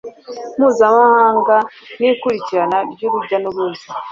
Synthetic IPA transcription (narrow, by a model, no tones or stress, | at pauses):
muːzamahaːŋɡanikuɾiciɾanaɾɟuɾuɟanuɾuzi